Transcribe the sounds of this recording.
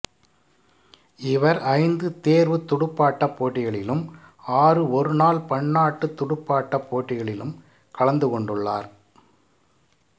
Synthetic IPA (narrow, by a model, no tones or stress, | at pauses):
ɪʋɐɾɐɪnd̪ɯt̪eːɾʋɯt̪ʊɽɯpːaːʈːɐpːoːʈːɪɣɐɭɪlɯm | aːrɯɔɾɯnaːlpɐɳːaːʈːɯt̪ːʊɽʊpːaːʈːɐpːoːʈːɪɣɐɭɪlɯm | kɐɭɐnd̪ɯkɔɳɖɯɭːaːɾ